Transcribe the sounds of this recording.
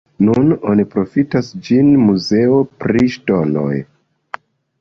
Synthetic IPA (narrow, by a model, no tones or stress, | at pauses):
nuno̞nipɾo̞fitasd͡ʒinmuze̞o̞pɾiʃto̞no̞̰j